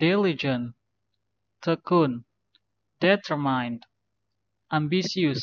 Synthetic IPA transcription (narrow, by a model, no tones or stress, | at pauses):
d̥ilid͡ʒə̃n | t̪ʰəkun | dɛt̪ʰəɹmãjnd | ãmbisius